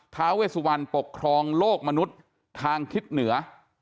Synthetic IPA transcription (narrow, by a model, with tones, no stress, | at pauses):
t̪ʰaː˦˥weː˥˩t̪su˧wa˧npo˨˩kʰːɾɔː˧ŋloː˥˩k̚ma˧nu˦˥t̪̚ʰː | aː˧ŋt̪ʰi˦˥t̪̚nɯ˩˦ɐ